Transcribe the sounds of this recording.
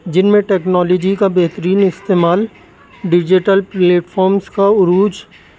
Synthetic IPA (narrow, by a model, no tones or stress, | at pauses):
d͡ʒɪnmẽʈeːknɔːlɔːd͡ʒikabɛɦt̪əɾiːnɪst̪eːmaːl | ɖɪd͡ʒɪʈəlpleːʈfʰɔːɾmskaʊɾuːd͡ʒ